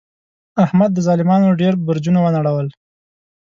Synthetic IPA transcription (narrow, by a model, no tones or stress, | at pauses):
ahmad̪ːəzɑlɪmɑnoɖeɾbəɾd͡ʒunawənaɽawəl